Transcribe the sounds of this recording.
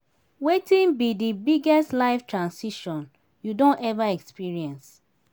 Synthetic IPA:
wetĩnbidibiɡɛstlaɪftɹãnsiʃɔ̃n | judõntɛvaɛkspiɹiɛ̃ns

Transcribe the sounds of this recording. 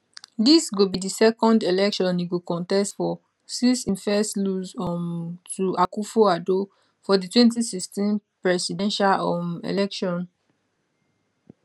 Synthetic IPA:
disɡobidisɛkɔ̃ndelɛkʃɔ̃niɡokɔ̃ntɛstfɔ | sisĩnfɛstluzɔmtuakufoado | fɔditwɛ̃nt̬isikstĩnpɹɛsidɛ̃nʃalɔmḛlɛkʃɔ̃n

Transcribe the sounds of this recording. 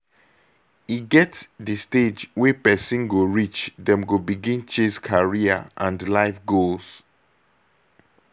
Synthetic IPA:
iɡɛtsdəsted͡ʒwɛpɛsĩnɡoɹit͡ʃdɛ̃mɡobiɡĩnt͡ʃẽskʰaɹia̰ʔãndlaɪfɡols

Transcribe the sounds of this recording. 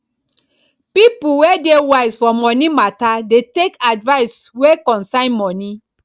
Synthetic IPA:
pipuwedewaɪsfɔmɔnimatadetekadvaɪswekɔ̃nsãɪ̃nmɔni

